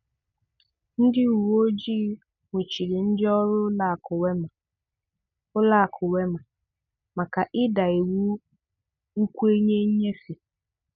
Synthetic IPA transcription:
n̩˦dɪ˦u˨wo˦d͡ʒi˦ | ŋʷe˨t͡ʃi˨ɾɪ˨n̩˦dɪ˦ɔ˦ɾʊ˦la˨kʊ˨we˦ma˨ | ʊ˦la˦˨kʰʊ˨we˦ma˨ | ma˨ka˨ʔɪ˦da˨e˨wu˦ | kʷu˦e˦ɲe˦ɲe˦fi˨

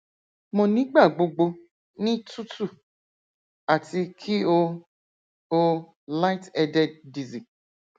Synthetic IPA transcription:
mɔ̃˨nĩ˨˦ɡ͡ba˦˨ɡ͡bo˧ɡ͡bo˧ | nĩ˦tu˦tu˦˨ | a˨ti˧kʰi˦o˧ | o˧ | la˦tɛ˧dɛ˦ddi˨zi˨

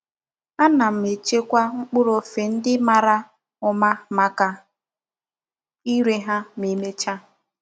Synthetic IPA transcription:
a˦na˨m̩˨me˨t͡ʃe˦kʷa˦ŋ͡m̩˦k͡pʊ˦ɾo˨fe˨n̩˦dɪ˦ma˨ɾa˦ | ʊ˨ma˦ma˨ka˨ | i˦ɾe˦ɦa˦mi˨me˦t͡ʃa˦

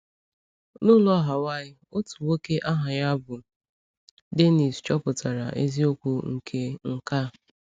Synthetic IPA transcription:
nʊ˦lʊ˦a˨ɦa˨wa˦ɪ˦o˦tu˨wo˦ke˦ʔa˦ɦa˨ja˦bʊ˨ | de˦ni˨st͡ʃɔ˦pʊ˨ta˨ɾa̰˨ʔe˦zi˦o˦kʷo˦ŋ̩˨kʰe˦ŋ̩˦ka˦˨

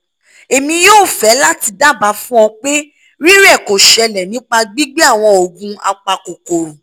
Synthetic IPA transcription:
e˨mĩ˧joː˦˨fɛ˨˦la˦ti˧da˦ba˨˦fũ˦ɔ̃˧k͡pe˦ | ɾi˦ɾɛ˦˨ko˨ʃɛ˧lɛ˨nĩ˨˦k͡pa˧ɡ͡bi˦ɡ͡be˦a˦˨w̃ɔ̃˧o˨ɡũ˧a̰˧k͡pa˧ko˨ko˨ɾu˨

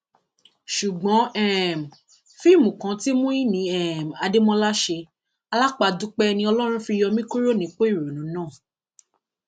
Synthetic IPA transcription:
ʃu˨ɡ͡bɔ̃˨˦ɛ˦˨m˨ | fi˦˨mũ˨kã˨˦ti˦mũ˦i˦nĩ˨˦ɛ˦ɛ˨m˨a˨˧de˦mɔ̃˦la˦ʃe˧ | a˧la˦k͡pa˧du˦k͡pɛ˦˧nĩ˧ɔ˧lɔ˦ɾ̃ũ˦fi˧jɔ˧mĩ˦ko˦ɾo˦˨nĩ˨˦k͡pe˦i˦˨ɾo˨nũ˨˦nãː˦˨

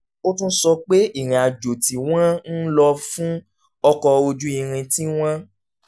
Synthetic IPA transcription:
o˦tũ˦sɔ˧k͡pe˦i˦˨ɾ̃ĩ˨a˨d͡ʒo˨ti˨w̃ã˦n̩˦lɔ˧fũ˦ | ɔ˧kɔ˧o˧d͡ʒu˦i˧ɾ̃ĩ˧tĩ˦w̃ã˦

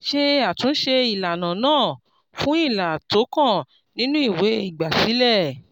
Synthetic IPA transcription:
ʃe˧a˨tũ˨˦n̩˦ʃe˧i˨la˨nã˨nãː˦˨ | fũ˦i˦˨la˨to˨˦kã˦˨ | nĩ˦nũ˦i˦˨we˨˦i˦˨ɡ͡ba˨si˨˦lɛ˦˨

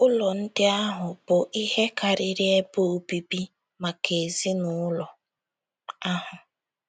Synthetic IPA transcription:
ʊ˦lɔ˨n̩˦dɪ˦a˦ɦʊ˨b̥ʊ˨ʔi˦ɦe˦ka˨ɾɪ˨ɾɪ˦e˦bo˦o˨bi˨bi˦ | ma˨kʰe˨zi˦nʊ˦lɔ˨ | a˦ɦʊ˨

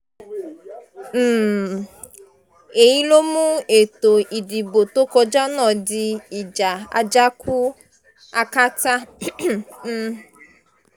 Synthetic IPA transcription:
m̩˨ | e˨ji˦lo˦mũ˦e˨t̪o˨i˨di˨bo˨t̪o˦kɔ˧d͡ʒa˦nɔ̃˨di˧i˨d͡ʒa˨a̰˨d͡ʒa˦ku˦ | a˧ka˦ta˦

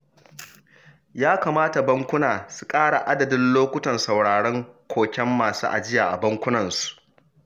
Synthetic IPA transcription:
jaː˦kaː˨maː˦ta˨bɐ˦ŋkʷʊ˦naː˨su˨kʼaː˦ɽa˨ʔa˦dɐ˨dɪ˦nloː˦kʷʊ˦tɐ˨nsa˨wɽaː˨ɽɐ˦ŋkʷʰoː˨kʲɛ˦mːaː˨suː˦ʔa̰˨d͡ʒɪ˦jaː˨ʔa˨bɐ˦ŋkʷʊ˦nɐ˨nsu̥˨ʔ

